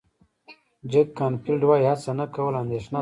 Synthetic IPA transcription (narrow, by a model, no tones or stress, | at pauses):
d͡ʒekːɑnpilɖwajihat͡sanakawəland̪eʃna